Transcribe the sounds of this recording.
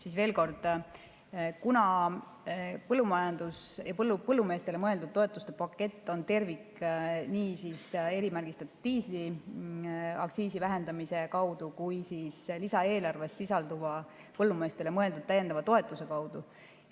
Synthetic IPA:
siːsve̞ːlko̞rd̪̥ | kunɑ | pɤlːumɑjɑnd̪̥usjɑpɤlːupɤlːume̞ːst̪e̞lemɤ̞e̞ld̪ud̪̥̚t̪ːo̞et̪ːˑust̪e̞pɑkːˑe̞t̪ːˑo̞nt̪e̞rvikniːsise̞ɾimæɾrɡ̥ist̪ɑt̪ːˑu̥d̪̥̚t̪iːsli | ɑkt̪siːsivæɦe̞nd̪ɑmise̞kɑwd̪̥ukujsiːslisɑe̞ːlɑrve̞sːisɑld̪uvɑ | pɤlːume̞ːst̪e̞lemɤ̞e̞ld̪ud̪̥̚t̪æjːend̪ɑvɑt̪o̞e̞t̪ˑːuse̞kɑwd̪̥u

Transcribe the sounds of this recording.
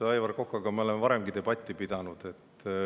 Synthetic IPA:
ɑjvɑrkokːɑɡ̥ɑmeo̞lemevɑɾemɡ̥it̪e̞b̥ɑt̪ʲːˑipid̪̥ɑnud̪̥et̪ː

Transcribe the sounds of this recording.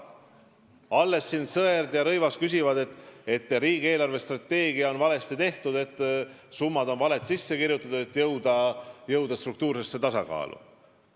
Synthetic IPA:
ɑlːe̞sːinsɤerd̪jɑɾɤjvɑskys̬ʲivɑd̪e̞t̪ːˑe̞t̪ːˑriːɡ̥eːlɑrvest̪rɑt̪ːe̞ːɡ̥iɑo̞nvɑle̞st̪it̪e̞ht̪ud̪̥e̞t̪ːˑ | sumːɑd̪o̞nvɑlet̪sisːe̞kirjut̪ːˑɑt̪u̥et̪ːjɤwd̪̥ɑjɤwd̪̥ɑst̪ruk̚t̪uːɾsesːe̞t̪ɑsɑkɑ̰ːlṵ

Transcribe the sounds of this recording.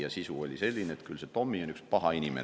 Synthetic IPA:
jɑsisuo̞lʲise̞lʲːineeːt̪kylset̪o̞mːionykspɑɦɑinʲimḛ

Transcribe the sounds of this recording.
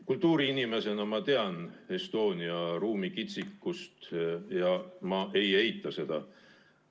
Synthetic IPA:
kult̪ˑːuːɾiinime̞se̞nɑmɑt̪e̞ɑne̞st̪o̞ːnʲiɑɾuːmikit̪sikːust̪jɑmɑʔe̞je̞jt̪ːˑɑse̞d̪̥ɑ̰

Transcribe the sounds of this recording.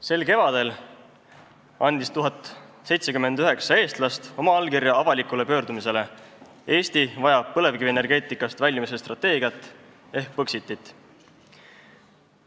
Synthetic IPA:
se̞lke̞vɑd̪̥e̞l | ɑnd̪̥ist̪uɦɑt̪ːˑ | se̞jt̪sekymːe̞nd̪yɦe̞ksɑe̞ːst̪lɑst̪o̞mɑɑlkiɾjɑɑvɑlikˑule̞pø̞ːɾd̪umise̞le̞ | e̞ːst̪ivɑjɑpɤle̞vkiviene̞rɡ̥e̞ːt̪ˑikˑːɑst̪vælʲjmisest̪rɑt̪ːˑe̞ːɡ̥iɑt̪ːˑ | e̞hk̚pɤksit̪ːˑit̪ːˑ

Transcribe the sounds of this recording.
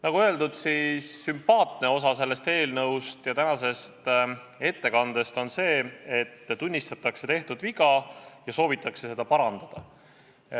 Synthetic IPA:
nɑɡ̥uøeld̪ud̪̥sisːympɑːt̪ˑne̞o̞sɑse̞lːe̞st̪e̞ːlnɤwst̪jɑt̪ænɑse̞st̪ | e̞t̪ːe̞kɑnd̪e̞st̪o̞nse̞ːet̪ːt̪unʲːist̪ɑt̪ːˑɑkse̞t̪e̞ht̪ud̪viɡɑjɑso̞ːvit̪ːˑɑkse̞se̞d̪̥ɑpɑɾɑnd̪̥ɑd̪̥ɑ

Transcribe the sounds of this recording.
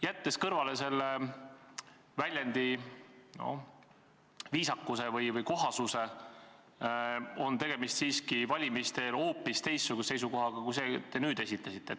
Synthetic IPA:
jæt̪ːe̞skɤrvɑle̞se̞lːe | vælʲjænd̪̥ino̞̰ | viːsɑkːˑuse̞vɯjvɯjko̞ɦɑsuse̞ | o̞nt̪e̞ɡ̥emist̪siːskivɑlʲimist̪e̞lo̞ːpːˑist̪e̞jsːuɡusese̞js̬uko̞ɦɑɡ̥ɑkujse̞t̪e̞nyːd̪e̞sʲit̪ːˑɑsit̪ːˑe

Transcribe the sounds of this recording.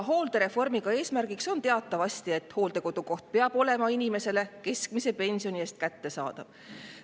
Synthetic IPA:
ɦo̞ːld̪̥e̞ɾe̞fo̞rmiɡ̥ɑe̞ːsmærɡ̥ikso̞nt̪e̞ɑt̪ːˑɑvɑst̪ie̞t̪ːˑho̞ːld̪e̞ko̞d̪̥uko̞ht̪̚pe̞ɑb̥o̞le̞mɑinʲime̞se̞le̞ke̞skmise̞pe̞nʲsio̞nieːst̪̚kæt̪ːe̞sɑ̰ːd̪̥ɑv̥

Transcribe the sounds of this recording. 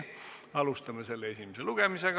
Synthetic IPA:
ɑlust̪ɑmːeselːeesimiselukemiseɡ̥

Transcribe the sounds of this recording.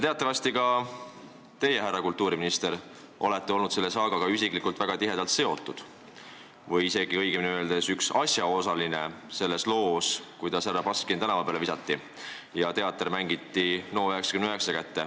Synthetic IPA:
t̪e̞ɑt̪ːˑɑvɑst̪ikɑ | t̪e̞je̞ɦærːɑkult̪ːˑuːɾiminist̪e̞ɾ | ʔo̞̰le̞t̪ːe̞o̞lnud̪se̞lːe̞sɑːɡ̥ɑɡ̥ɑys̬ikˑlikːult̪væɡ̥ɑt̪iɦe̞d̪̥ɑlt̪se̞o̞t̪ˑːud̪̥ | vɤjise̞ɡ̥iɤ̞jɡ̥eminøld̪̥e̞syksɑsjɑo̞sɑline̞ | se̞lːe̞slo̞ːskujt̪ɑsærːɑpɑskint̪ænɑvɑpeːlevisɑt̪ːi | jɑt̪e̞ɑt̪ːˑeɾmæŋɡ̥it̪ˑːino̞ːøɦeksɑ̥kymnøɦe̞ksɑkæt̪ːe̞

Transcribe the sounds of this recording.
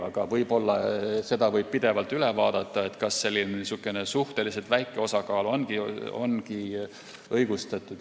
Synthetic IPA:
ɑ̰ɡ̥ɑvɤjb̥o̞lːɑse̞d̪ɑvɤjb̥̚pid̪e̞vɑlt̪yle̞vɑːd̪̥ɑt̪ˑːɑe̞t̪kɑsːe̞lːinisukːˑene̞suht̪e̞liset̪væjkːˑe̞o̞sɑkɑːluo̞nkio̞̰nki | ʔɤjɡ̥ust̪ɑt̪ːˑud̪̥

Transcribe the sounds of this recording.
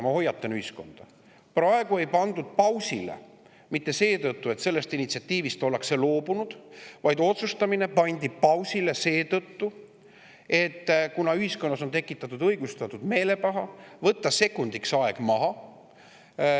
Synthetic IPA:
mɑho̞jːɑt̪ːˑenyhisko̞̰nd̪̥ɑ | prɑe̞ɡ̥ue̞jpɑnd̪ud̪̥̚pɑwsilḛ | mit̪ːe̞se̞ːt̪ɤt̪ːue̞t̪se̞lːe̞st̪init̪siɑt̪ːiːvist̪o̞lekse̞lo̞ːbunud̪̥vɑjd̪o̞t̪sust̪ɑmine̞pɑnʲd̪ipɑwsilese̞ːt̪ɤt̪ːu | e̞t̪ːkunɑyhiskonːɑso̞nt̪e̞kːˑit̪ːˑɑt̪ːˑud̪ɤjɡ̥ust̪ɑt̪ːud̪̥me̞ːle̞pɑɦɑvɤt̪ːɑse̞kːˑund̪iksɑe̞ɡ̥mɑɦɑ

